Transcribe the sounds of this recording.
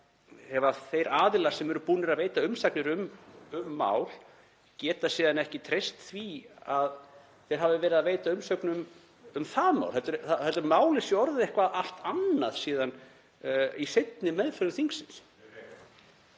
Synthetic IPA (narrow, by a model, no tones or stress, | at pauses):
hɛvaθejɾaːðɪlḁsɛmɛɾʏpuːnɪɾaðveːjt̪aʏmsaknɪɾʏmʏmːa̰ːwl | cɛːt̪asiːðanɛhcɪt̪ʰɾejst̪θviað | θejɾ̥ɦavɪvɛːɾɪðaðveːjt̪aʏmsœknʏm | ʏmθaːma̰wlθɛlt̪ʏɾθahɛlt̪ʏɾmaːwlɪsiɔɾðɪehkvaðaht̪anːaðsiːðan | isejt̪nɪmɛðfœɾðʏθiŋksɪns